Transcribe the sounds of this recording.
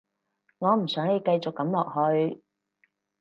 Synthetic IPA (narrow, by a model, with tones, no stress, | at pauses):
ŋɔː˨˧m̩˨˩sœː˨˥ŋle˨˧jkɐ˧jt͡sʊ˨kːɐ˨˧˥mlɔː˨k̚hɵ˧ɥ